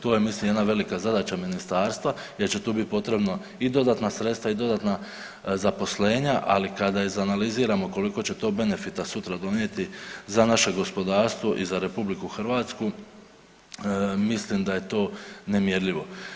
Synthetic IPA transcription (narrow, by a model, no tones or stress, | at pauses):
t̪oːjemislimjed̪naʋe̞likazad̪at͡ɕaminist̪aːɾst̪ʋa | je̞ɾt͡ɕe̞t̪uːbit̪̚po̞t̪ɾe̞bno | id̪o̞d̪aːt̪nasɾe̞t̪st̪ʋaid̪o̞d̪at̪na | zapo̞sle̞ːɲaʔalikad̪aizanaliziːɾamo̞ko̞liko̞t͡ɕe̞t̪o̞ːbe̞ne̞fit̪asut̪ɾad̪o̞nje̞t̪izanaʃe̞ɡo̞spo̞d̪aːɾst̪ʋo̞ʔizaɾe̞publikuxrʋaːt̪sku | mislimd̪aje̞t̪o̞ːne̞mje̞ɾʎʲiʋo̞